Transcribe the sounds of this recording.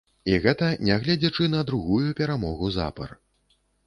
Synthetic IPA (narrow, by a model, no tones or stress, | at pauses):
iɣɛt̪ɐnʲaɣlʲɛd͡zʲɛt͡ʂɨnɐd̪ɾuɣujupʲɛɾamɔɣuza̰pɐ̰r